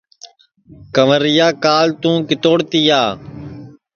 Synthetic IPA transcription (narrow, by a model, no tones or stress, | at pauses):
kəʋəɾɪjaːkaːlt̪ũːkɪt̪oːɽt̪iːaː